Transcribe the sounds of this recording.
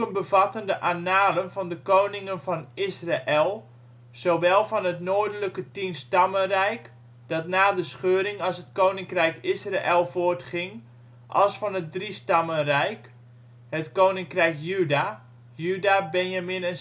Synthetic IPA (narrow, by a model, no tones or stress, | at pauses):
ənbəvɑtəndəʔanaːlənvɔndəkownɪŋənfɔnɪsraʔɛlˠ | z̥owʋɛlˠfɔnɦətnoːdələkətinstɑmənrɛjk | d̥ɔtnaːdəsχøːɾɪŋɑsɦətkoːnɪŋkrɛjkɪsraʔɛlˠfoərtχɪŋ | ʔɑ̰lˠsfɔnət̚dristɑmənrɛjk | hətkownɪŋkrɛjkjyda | jydabɛnjaminən